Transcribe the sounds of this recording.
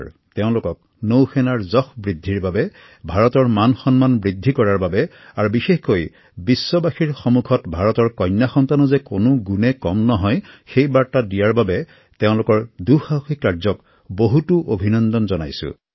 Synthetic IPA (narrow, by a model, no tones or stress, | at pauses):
teʊ̃lʊkɔk̚ | nowxɛnaɹzɔxbɹidʱːiɹbabɛ | bʱaɹɔtɔɹmanxɔnmanbɹidʱːikɔɹaɹbabɛ | aɹubixexkoj | bisːɔbaxiɹxomukʰɔtbʱaɹɔtɔɹkɔnːjaxɔntanɔzɛkonʊɡunɛkɔmnɔɦɔjxejbaɹtadijaɹbabɛ | teʊ̃lʊkɔɹduxauxikːaɹzɔk | boɦutuʔobʱinɔndɔnzɔna̰jsʊ̰̃